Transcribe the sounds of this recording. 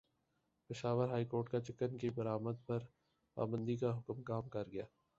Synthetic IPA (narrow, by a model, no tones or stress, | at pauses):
pɪʃaːʋəɾɦaːiːkoːɾʈkat͡ʃɪkənkibɐɾaːməd̪̚pɐɾ | pa̰ːbə̃nd̪ikaɦʊkmkaːmkɐɾɡɐjaː